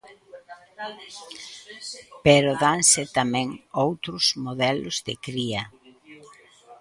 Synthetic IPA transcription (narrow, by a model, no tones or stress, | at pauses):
peɾoðaŋsɪt̪amɛ̃ŋowt̪ɾʊzmoðɛlʊzðɪkɾiɐ